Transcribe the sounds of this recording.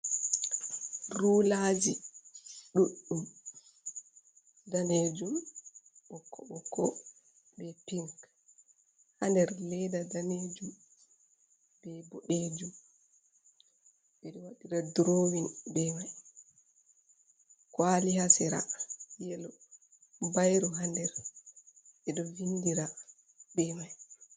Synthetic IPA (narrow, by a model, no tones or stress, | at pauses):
ruːlad͡ʒi | ɗuɗːum | daned͡ʒumɓɔkʰːɔɓɔkʰːɔ | bɛpiŋk | handɛɾlɛdadaned͡ʒum | b̥ɛbɔɗed͡ʒum | ɓɛɗɔwaɗiɾadɾoːwinbɛmaj | kwalihasɛɾa̰jɛlɔ | bajɾɔɦandɛɾ | ɛɗɔvindiɾa | bɛmaj